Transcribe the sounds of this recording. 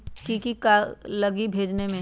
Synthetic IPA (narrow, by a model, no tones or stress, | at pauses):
kikikalɐɡibʱeːd͡ʒnemẽ